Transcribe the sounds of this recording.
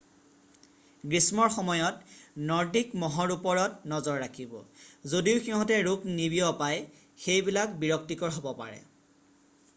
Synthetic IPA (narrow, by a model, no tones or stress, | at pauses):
ɡɹismɔɹxɔmɔjɔtnɔɹdikmɔɦɔɹupɔɹɔtnɔzɔɹːakʰibɔ̰zodiʊxiɦɔ̃tɛɹuknibijɔpaj | xejbilakbiɹɔk̚tikɔɹɦɔbɔpa̰ɹɛ̰